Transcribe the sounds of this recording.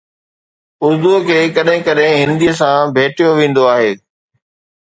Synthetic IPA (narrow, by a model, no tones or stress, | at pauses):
ʊɾd̪uɦkʰeːkɐɗɦɪ̃kɐɗɪ̃ɦɪ̃nd̪iəs̬ãbʱeːʈijoʋẽːnd̪oaːɦeː